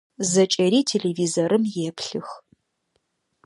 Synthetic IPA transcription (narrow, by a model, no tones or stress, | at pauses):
zɐt͡ʃʼɐɾiːtʰeɮeviːzoɾɨmjɛpʰɬɨx